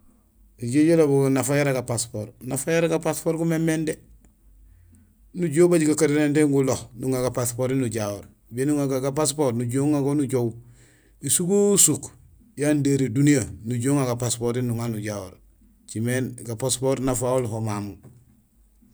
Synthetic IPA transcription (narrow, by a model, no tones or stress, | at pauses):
iɟeɟolobunafajaɾaɡapaspoːɾnafajaɾaɡapaspoːɾɡumemːende | nuɟoːwbaɟiɡakaɾenendeŋɡulohnuŋaɡapaspoːɾinuɟawoɾ | benuŋaɡaɡapaspoːɾnuɟoŋaɡonuɟow | isuɡusuk | jandeɾidunijanuɟoːŋaɡapaspoɾinuŋanuɟawo̰ɾ | t͡ʃimenɡapaspoɾnafaolɦomamu